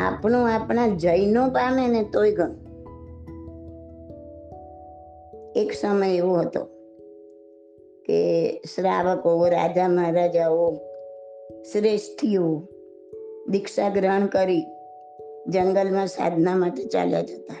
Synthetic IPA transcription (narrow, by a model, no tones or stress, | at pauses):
a̰pɳõapɳ̃ad͡ʒəjnopamenet̪ojɡəño | eksəməjeʋoɦət̪o̰ | kḛsɾa̰ʋəkoɾa̰d͡ʒaməɦɾad͡ʒao | sɾeʃʈʰijo | d̪ɪkʃaɡɾəɳ̃kəɾi | d͡ʒəŋɡəlmãsa̰d̪ʱnamaʈet͡ʃa̰lja̰d͡ʒət̪a